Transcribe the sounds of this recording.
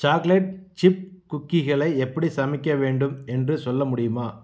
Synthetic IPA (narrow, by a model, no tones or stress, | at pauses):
t͡ʃaːklɐɪʈ̚t͡ʃɪp̚kʊkːɪɣɐɭɐɪɛpːɐɽisɐmɪkːɐʋeːɳɖɯmɛndrɯsɔlːɐmʊɽɪjɯmaː